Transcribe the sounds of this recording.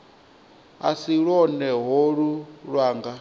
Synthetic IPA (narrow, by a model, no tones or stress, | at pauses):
a̰siɺɔnɛɦoɺuɺwaːŋɡa